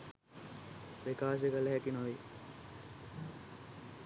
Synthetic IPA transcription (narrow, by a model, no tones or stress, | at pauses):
pɾekaːs̬ekələɦækinoʋi